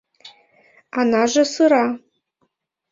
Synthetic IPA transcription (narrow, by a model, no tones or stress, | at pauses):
anaʒɐsɨɾa